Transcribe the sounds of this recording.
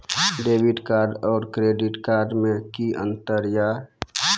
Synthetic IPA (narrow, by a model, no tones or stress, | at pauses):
ɖeːbiʈkaɾɖɔːɾkɾeɖiʈkaɾɖmẽkiʔə̰̃nt̪əɾja